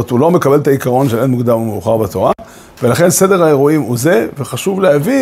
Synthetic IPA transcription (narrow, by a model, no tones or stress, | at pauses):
t̪ulo̞me̞kabe̞lt̪aikaʁo̞nʃelenmuɡd̪amumeuχaʁbat̪o̞ʁa | ve̞laχe̞nse̞d̪e̞ʁae̞ʁuimuzeveχaʃuvleavi